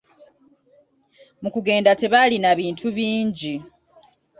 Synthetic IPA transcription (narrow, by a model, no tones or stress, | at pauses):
mukuɡe̞ːndate̞βalinaβiːntʰuβiːɲɟi